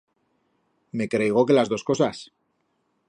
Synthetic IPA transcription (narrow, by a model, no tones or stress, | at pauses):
me̞kɾejɣ̞o̞ke̞lazðo̞sko̞sas